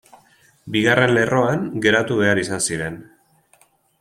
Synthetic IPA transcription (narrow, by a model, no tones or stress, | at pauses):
biɣarʔe̞nle̞rʔo̞aŋɡe̞ɾat̪uβe̞aɾisansiɾe̞n